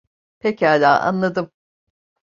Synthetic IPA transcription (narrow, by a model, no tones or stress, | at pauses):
pʰechalʲaːʔa̰nlˠad̪ɯm